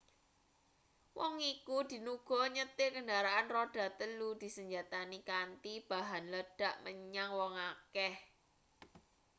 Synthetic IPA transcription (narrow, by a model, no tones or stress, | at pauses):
wɔŋikud̪̥i̤nuɡ̥ɔ̤ɲət̪ɪkəɳdaɾaʔanroɖ̥ä̤t̪əlud̪̥i̤səɲd͡ʒat̪anikant̪ib̥a̤ɦanləɖ̥ä̤ʔməɲaŋwɔŋakɛh